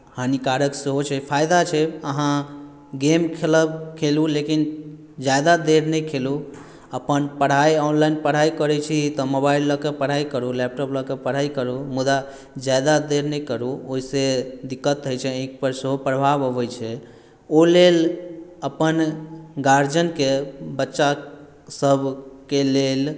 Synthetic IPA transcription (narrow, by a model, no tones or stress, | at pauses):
hanikaɾəksəɦot͡ʃʰɛpʰajd̪at͡ʃʰɛəɦã | ɡemkʰeləbkʰelulekin | d͡ʒajd̪ad̪eɾnɛkʰelu | əpənpəɽ̤ajɔnlainpəɽ̤ajkəɾɛt͡ʃʰit̪ɔmobailːəkepəɽ̤aikəɾulɛp̚ʈɔpləkepəɽ̤aikəɾumud̪a | d͡ʒad̪ad̪eɾnɛjkəɾuoɦised̪ikːət̪ɦəjt͡ʃʰɛẽk̚pəɾsəɦopɾəbʱabɦəbɛjt͡ʃʰɛ | oleləpənɡaɾd͡ʒənkebətːʃa | səbʱkelel